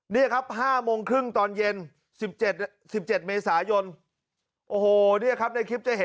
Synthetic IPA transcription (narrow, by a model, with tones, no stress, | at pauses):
niː˥˩ɐkʰa˦˥p̚haː˥˩moː˧ŋkʰɾɯ˥˩ŋt̪ɔː˧nje˧n | si˨˩p̚t͡ɕe˨˩t̪̚ | si˨˩p̚t͡ɕe˨˩t̪̚meː˧saː˩˦jo˧n | ʔoː˧˩hoː˨˩niː˥˩ɐkʰa˦˥p̚na˧jkʰi˦˥p̚t͡ɕa˨˩he˩˦